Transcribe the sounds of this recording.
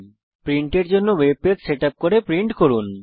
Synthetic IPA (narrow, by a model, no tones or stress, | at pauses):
pɾiɳʈeɾd͡ʑonːoweb̚pedseʈap̚koɾepɾiɳʈkoɾun